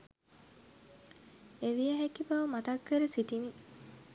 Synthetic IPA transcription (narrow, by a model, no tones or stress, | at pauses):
eʋijɐɦekibɐʋəmɐt̪ɐkːeɾesiʈimi